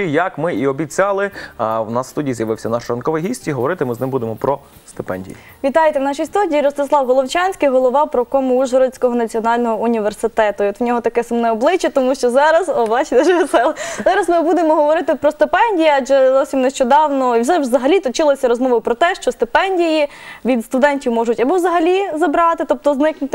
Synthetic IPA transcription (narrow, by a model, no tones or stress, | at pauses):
ijɐkmɪʔiɔbʲit͡sʲɑlˠɪwnɑsːt̪udʲijizjɐʋɪwsʲɐnɑʃɾɐnkɔʋɪjɦʲisʲtʲiɦɔʋɔɾɪt̪ɪmɪznɪmbud̪emɔpɾɔ | st̪ɪpɛ̰nʲdʲḭjḭ | ʋʲit̪ɑjet̪ɛwnɑʃijst̪udʲiːjiɾɔst̪ɪslˠɑwɦɔlˠɔwt͡ʃɑnʲsʲkɪjɦɔlˠɔʋɑwpɾɔkɔmʊuʒɔɾɔt͡sʲkɔɦɔnɐt͡sʲiɔnɑlʲnɔɦɔʔunʲiʋersɪt̪ɛt̪ʊiɔt̪wnʲɔɦɔt̪ɐkɛsɐmnɛɔblˠɪt͡ʃɛt̪ɔmuʃt͡ʃɔzɑɾɐzɔbɑt͡ʃɪt̪ɛʒʋt̪sɛlˠzɑɾɐzmɪbud̪emɔɦɔʋɔɾɪt̪ɪpɾɔst̪ɪpɛnʲdʲijɐɑʒɛzɔsʲimneʃt͡ʃɔd̪ɑwnɔiwsɛzɐɦɐlʲit̪ɔt͡ʃɪlˠɐsʲɐɾɔzmɔʋɐpɾɔt̪ɛʃt͡ʃɔst̪ɪpɛnʲdʲijiʋʲid̪st̪ʊd̪ɛnʲtʲiwmɔʒʊtʲɐbɔwzɐɦɐlʲizɐbɾɑt̪ɪt̪ɔp̚t̪ɔznɪknʊt̪ɪ